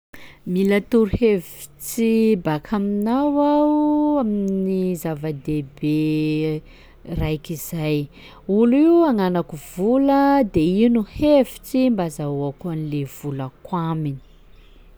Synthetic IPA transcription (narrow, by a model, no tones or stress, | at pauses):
milat̪uɾuhevi̥t͡sibakʰaminawaaminnizavad̪ebe | rajkizaj | uliuaŋanakuvuləd̪einuhevi̥t͡simbazauakuanilev̥uləkwamini̥